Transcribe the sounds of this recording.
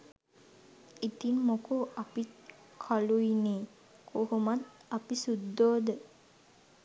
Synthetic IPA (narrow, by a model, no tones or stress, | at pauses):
it̪inmokuapit̪ | kʰaluineː | kʰoɦumat̪apisud̪ːoːd̪ə